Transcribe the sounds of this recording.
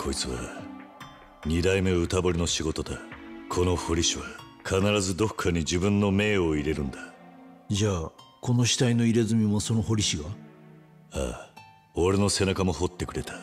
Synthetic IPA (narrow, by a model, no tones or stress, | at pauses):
kʰo̞it͡sɨβa̰ | ɲ̟id̪aime̞ɯ̟t̪abo̞ɾʲino̞ɕiɡo̞t̪o̞d̪akʰo̞no̞ho̞ɾʲiɕiβa | kʰanaɾazɨd̪o̞kʰːaɲ̟id͡ʑibɯ̟̃nːo̞me̞ːo̞iɾe̞ɾɯ̟̃nd̪ad͡ʑaːko̞no̞ɕi̥t̪aino̞iɾe̞zɨmʲimoso̞no̞ɦo̞ɾʲiɕiɡa | a̰ | o̞ɾe̞no̞se̞nakamo̞ho̞t̪ːe̞kɯ̟ɾe̞t̪ḁ